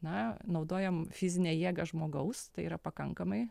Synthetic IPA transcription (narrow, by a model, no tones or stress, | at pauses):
nɐnɐʊd̪oːjɛmfʲɪzʲɪnʲeːjiɛɡɐʒmoːɡɐʊst̪ɐɪiːɾɐpɐkɐŋkɐmɐɪ